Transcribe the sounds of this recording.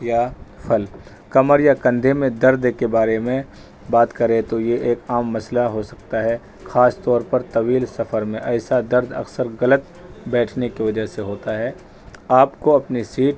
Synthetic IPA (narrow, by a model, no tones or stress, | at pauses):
jafʰɐl | kɐməɾjakɐ̃nd̪ʱemẽd̪ɐɾd̪kebaːɾemẽ | baːt̪kɐɾẽt̪ojeʔeːkaːmːɐslaɦosɐk̚t̪aɦɛː | xaːst̪ɔːɾpɐɾt̪ɐʋiːlsɐfəɾmẽʔɛːsad̪ɐɾd̪ɐ̰ksəɾɣɐlət̪ | bɛːʈʰnekiʋɐd͡ʒəɦseɦoːt̪aɦɛː | aːpkoɐpnisiːʈ̚